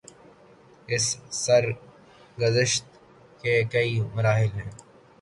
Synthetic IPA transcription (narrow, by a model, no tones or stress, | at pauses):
ɪsːɐɾ | ɡʊzɪʃt̪ | kekɐimɐɾaːɦɪlɦɛ̃ː